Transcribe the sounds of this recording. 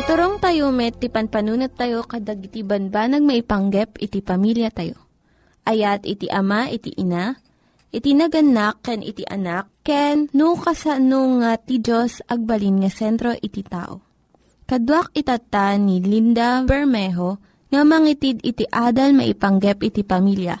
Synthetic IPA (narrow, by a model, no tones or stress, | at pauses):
t̪ʊɾoŋt̪ɐjomɛt̪ipɐnpɐnuːnɐt̪ːɐjo̞kɐd̪ɐɡɪt̪ibɐnbanɐɡ̚mɐʔɪpɐŋɡɛpɪt̪ipɐmiljɐt̪ɐjo̞̰ | ʔɐjat̪ɪt̪iʔɐmaʔɪt̪ḭʔɪna | ʔɪt̪inɐɡɐnakːɛnʔɪ̰t̪iʔɐ̰nakːɛnːukɐsɐnoŋat̪id͡ʒosʔɐɡ̚bɐlinŋɐsɛnt̪ɾo̞ʔɪt̪it̪a̰ːʔo̞̰ | kɐd̪wak̚ɪt̪ɐt̪anilind̪ɐbɛɹmɛɦo | ŋɐmɐŋit̪id̪ɪt̪iʔaːd̪ɐlmɐ̰ʔɪpɐŋɡɛpɪt̪ipɐmiljɐ̰